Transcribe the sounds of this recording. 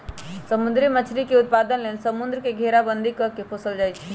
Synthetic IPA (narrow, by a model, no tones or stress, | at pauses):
səmund̪ɾimət͡ʃʰɾikeut̪̚pad̪ənlensəmund̪ɾəkeɡʱeɾabənd̪ʱikəkepʰosəld͡ʒajt͡ʃʰɛ